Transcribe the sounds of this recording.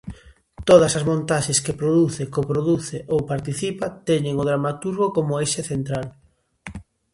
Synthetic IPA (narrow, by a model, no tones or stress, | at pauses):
t̪oð̞ɐsɐzmõnt̪aʃeskepɾoðuθekopɾoðuθeʔowpaɾt̪iθipat̪ɛɲeŋʊðɾamat̪uɾɣokomʊejʃeθent̪ɾal